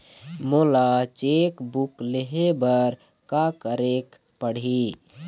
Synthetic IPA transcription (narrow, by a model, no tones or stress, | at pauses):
moːlat͡ʃekbukleɦebəɾ | kakəɾek | pəɽ̤i